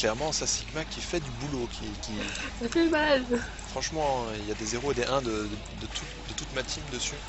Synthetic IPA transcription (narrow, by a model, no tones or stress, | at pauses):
klɛʁmɑ̃sasiɡmakʲifɛd̪ybulokʲʰikʲisapybal | fχɑ̃ʃmɑ̃iljad̪ezeʁoed̪eʔɛ̃d̪ə | d̪ət̪ʰu | d̪ət̪ut̪mat̪ʰimd̪əsy